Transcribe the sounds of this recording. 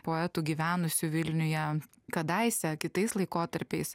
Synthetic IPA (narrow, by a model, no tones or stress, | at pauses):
poːɛt̪uːɡʲiːʋʲæːnʊsʲʊʋʲɪlʲnʲʊjɛ | kɐd̪ɐɪsʲɛkʲɪt̪ɐɪslˠɐɪkoːt̪ɐɾʲpʲɛɪs